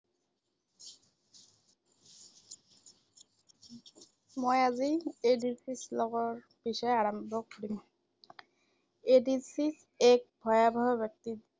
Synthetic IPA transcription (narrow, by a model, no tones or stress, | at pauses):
mojaziedisislɔɡɔɹ | b̥isɔjaɹɔmbʱɔkoɹim | edisis | ɛk̚bʱɔjabʱɔɦɔbjɔk̚ti